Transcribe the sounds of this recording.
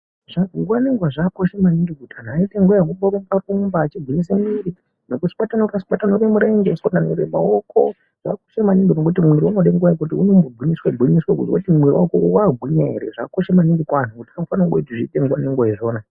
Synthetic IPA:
ʐ̥aɡuwaneŋɡwaʐako̞ʃemaniŋɡikutʰanaiteŋɡujakumboɾumparumbaːt͡ʃibwinisemiɾi | nokusi̥ɓatanokasiɓatanoɾemuɾeŋɡeskonanoɾḛmawokʰo | ʐ̥a̰ko̥ʃemaniŋɡinok̬ut̬imwiɾiunoɗeŋɡujakut̬iṵnombobʱwinisweɡʱwiɲiswekṵtkutimiriwa̰kowaːɡʱwiɲaɦḛɾḛʐa̰ko̞ʃemaniŋɡikwan̤ukutḁkaofanawɡoitiʐiteŋɡwaneŋɡoeʐoːna

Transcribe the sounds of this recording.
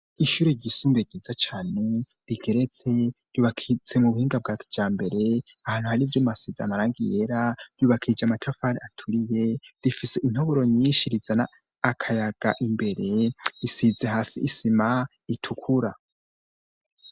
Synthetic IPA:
iʃuːɾeɟisuːmbeɡizat͡ʃaːne̞ | ɾiɡe̞ɾet͡se̞ɾ̥ɟuːβakʰit͡se̞muβuhiːŋɡab̚ɡaːki̥d͡ʒaːmbe̞ɾe̞ | ahaːn̥huhaɾivjomasizaamaɾaːŋɡije̞ɾaɾ̥juːβakʰid͡ʒamatʰafaɾiatʰuɾije̞ɾifise̞ʔin̥hoβoɾo̞ɲiːʃiɾizanaː | kʰajaɡ̥aʔimbe̞ɾe̞isizeɦaːsiːsima | itʰukʰuɾa

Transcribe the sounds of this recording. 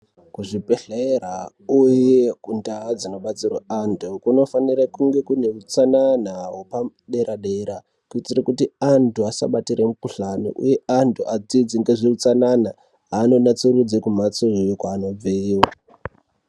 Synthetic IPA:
kuʐipeɬera | ujekundad͡zino̞ɓat͡sira̰antʰukuno̞faniɾakuŋɡe̞kune̞ut͡sananawopa | ɗe̞ɾaɗe̞ɾa | kuit͡sirekutiantuasa̰ɓatiɾemukuɬanḭʔṵje̞antʰuʔad͡zid͡ziŋɡeʐiut͡sanana | ano̞nat͡suɾud͡zikumat͡soɦejukwaːno̞b͡veiwo

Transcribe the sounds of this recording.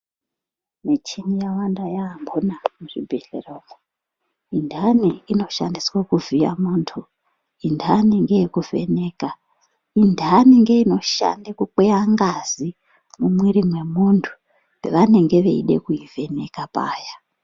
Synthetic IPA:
net͡ʃinijaʋandajaːmbonamuʐibʱeɮḛroko | indʱaniino̞ʃandiswakuvija̰muːntʰu | indʱaniŋɡejekuve̞̰ne̞ːka | indʱaniŋɡe̞ino̞ʃa̰ndekuk͡peaŋɡazi | mumwiɾimwe̞muntʰu̥ | eʋane̞ŋɡe̞ʋe̞̰ḭɗe̞̰kuive̞ne̞kapa̰ːja

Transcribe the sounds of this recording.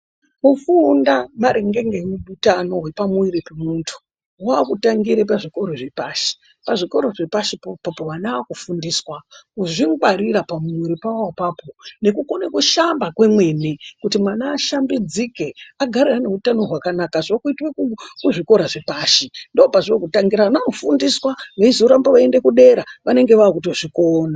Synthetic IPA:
mufundamaɾeŋɡe̞ŋɡemuɓutano̞ɦwe̞pamuiɾipemuntʰu̥ | waːkutaŋɡiɾep̬aʐiko̞ɾoʐepaːʃi̥ | paʐiko̞ɾo̞ʐepaʃipapowanaːkufundiːswakuʐiŋɡwaɾiɾapamiɾipawawapaːpone̞kukonekuʃambakwe̞mwe̞ne̞kutimwanaːʃambid͡zike̞aɡʱaɾerane̞utano̞ɦwakanakaʐokuitwekukuʐiko̞ɾaʐepaʃindeopaʐiokutaŋɡiɾaʋanaano̞fundiswaʋaizoɾambaʋae̞nde̞kuɗe̞ɾaʋane̞ŋɡe̞ʋakutoʐikoːna

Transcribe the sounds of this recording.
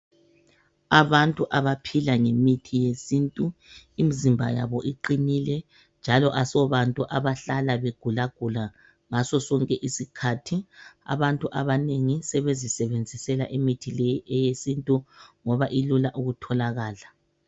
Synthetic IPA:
aβantʼuʔaβapʰilaŋemitʰijesintʼuimizimbʱaja̰βɔʔiǃinilɛ | nd͡ʒʱalɔʔasɔβantʼuʔaβaɬalaβeɡ̥ʱulaɡ̥ʱula | ŋasɔsɔŋkʼɛʔisikʰatʰia̰βantʼuʔaβaneŋisɛβezisɛβend͡zʱisɛlaʔimitʰilɛjʔɛjesintʼuŋɔβaʔilulaʔuɣutʰɔlaɣaːla

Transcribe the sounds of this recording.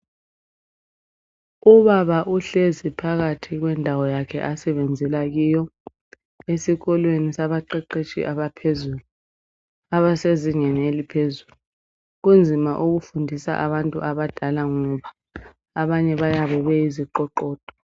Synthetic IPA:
uβaβaʔuɬezipʰaɣatʰiɣ̬wɛndʱawɔjakʰɛ̰ʔasɛβend͡zʱɛlaɣiːjɔ | esiɣɔlwenisaβaǃɛǃet͡ʃʼḭʔaɓapʰezuːlu | aβaseziŋɛnelipʰezulu | ɣ̬und͡zʱimaʔuɣufundʱisa̰ʔa̰βantʼṵʔaβad̥ʱalaŋɔβaː | βaɲɛβajaβɛβɛiziǃɔǃɔːd̥ʼʱɔ̥

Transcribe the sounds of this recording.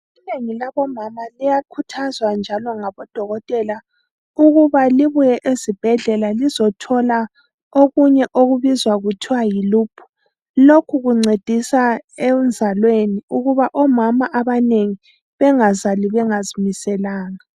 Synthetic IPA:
ineŋilaβɔmamalijakʰutʰazwand͡ʒʱalɔŋaβɔd̥ʱɔɣɔtʼɛla | uɣuβaliβujɛʔezib̥ʱɛɮɛlalizɔtʰɔla | oɣuɲɛʔoɣuβizwaɣutʰiwajiluːpʰu̥ | lokʰuɣuŋ͡ǀed̥ʱisaend͡zʱalweniuɣuβaʔɔmamaʔaβaneŋi | βɛŋazaliβɛŋazimisɛlaːŋa

